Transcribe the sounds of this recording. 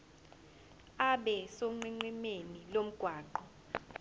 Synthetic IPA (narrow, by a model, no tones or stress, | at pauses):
aɓɛsoŋ͡ǃiŋ͡ǀimenilom̩ɡ̥ʱwaːǃɔ